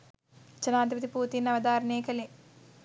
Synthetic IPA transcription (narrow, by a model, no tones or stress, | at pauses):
t͡ʃɐnaːd̪ʱipɐt̪ipuːt̪iːnɐʋɐd̪aːɾɐneːkɐle